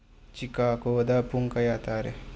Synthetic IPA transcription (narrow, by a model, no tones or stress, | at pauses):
t͡ʃikaːkoːd̪apuŋkajat̪aɾe